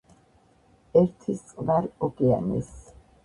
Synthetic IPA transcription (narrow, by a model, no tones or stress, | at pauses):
ɛɾt̪ʰist̪sʼqʼlaɾɔkʼɛa̰nɛ̰s